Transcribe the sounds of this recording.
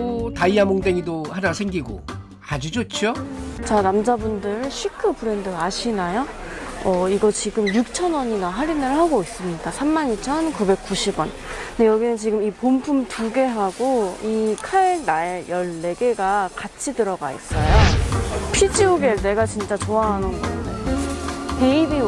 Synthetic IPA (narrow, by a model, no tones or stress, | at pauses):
taiamoŋdeŋidohanasʰeŋɡiɡo̰ | ad͡ʑid͡ʑot͡ɕʰot͡ɕanamd͡ʑabundɯɾɕʰikʰɯpɯɾendɯɡaɕʰinajo | ʌiɡʌt͡ɕiɡɯmjuk̚t͡ɕʰʌnwʌɲinaɦaɾinɯɭhaɡois͈ɯmɲidasʰamːanit͡ɕʰʌnkube̞k̚k͈uɕʰibwʌn | dejʌɡinɯnt͡ɕiɡɯmipompʰumtuɡe̞ɦaɡoikʰaenajʌɭːe̞ɡe̞ɡakat͡ɕʰidɯɾʌɡa̰ḭs͈ʌjopʰid͡ʑiuɡene̞ɡat͡ɕint͡ɕ͈at͡ɕoaɦanɯnɡʌdetɯke̞ibi